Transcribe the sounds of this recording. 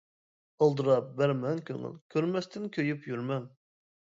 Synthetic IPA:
əlˠd̪uɾɑp̚bæɾmɛŋkʲʰø̰ŋy̰lkʲʰøɾmɛst̪ʰɪnkʲʰøjypjyɾmɛŋ

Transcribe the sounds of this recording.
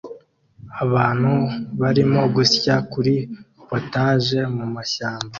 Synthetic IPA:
aβaːn̥huβaɾimo̞ɡusjakuɾi | potaːʒe̞mumaʃaːmba

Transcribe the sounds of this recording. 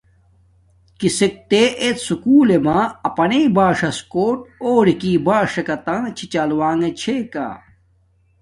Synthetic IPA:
kisik̚t̪eʔet̪sukuːlemaɐpɐneːbaːʂɐskoːʈ̚oːɽikiːbaːʂɐkɐt̪ãːt͡ɕʰit͡ɕaːlwaːŋet͡ɕʰeːka̰ː

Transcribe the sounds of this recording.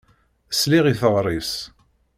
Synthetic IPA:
əsliʁiθəʁɾˤis

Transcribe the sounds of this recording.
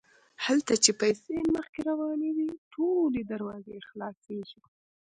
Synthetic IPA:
halt̪at͡ʃepajseməxkeɾawɑnewiʈʰoled̪aɾwɑzexlɑseʒi

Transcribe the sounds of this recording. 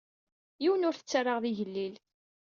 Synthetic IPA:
jiwənʊɾθət͡sːarɑʁðiʝəlːil

